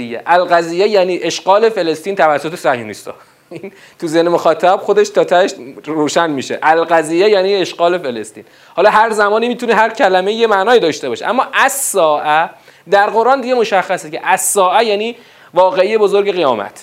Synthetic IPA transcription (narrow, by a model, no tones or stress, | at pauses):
ijːeʔælɣæziːjːejæniːʔe̞ʃɢɒːle̞fe̞le̞st̪iːnt̪ʰævæsːot̪ʰesæhjunḭst̪ɒ̰ː | in | t̪ʰuzenemoxɒːt̪ʰæb̥xo̞d̪e̞ʃt̪ʰɒːt̪ʰæʃroːʃænmiːʃḛʔælɣæziːjejæːniːeʃɢɒːle̞felest̪ḭːn | hɒːlɒːɦæɾzæmɒːniːmiːt̪uneɦæɾcʰælæmeiːjemænɒːid̪ɒːʃt̪eɒːʃḛʔæmːɒːʔæzsɒːʔæ | d̪æɾɣo̞ɾʔɑːnd̪iɟemo̞ʃæxːæsecʰeʔæz̥sɒːʔæjæːniː | vɒːɣe̞ije̞bo̞zoɾɟe̞ɣejɒːmæ̰t̪ʰ